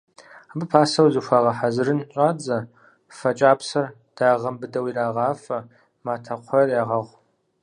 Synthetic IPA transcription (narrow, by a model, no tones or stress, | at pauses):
abɨpʰaːsɐwzɨʃʷaːʁɐħazɨrɨnɕʼaːd͡zɐ | fɐt͡ʃʼaːpʰsɐr | d̥aːʁɐmbɨdɐwiraːʁɑːfɐ | maːtʰɐqʷʰɔrjaːʁɐʁʷ